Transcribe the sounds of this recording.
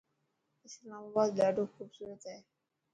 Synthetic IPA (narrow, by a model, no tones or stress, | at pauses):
islamabad̪laɖokʰubsuɾed͡ʑae